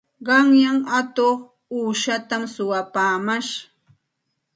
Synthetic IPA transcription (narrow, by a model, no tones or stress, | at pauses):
ɢɑŋjaŋat̪oχ | uːʃat̪amsʊwapaːmaʃ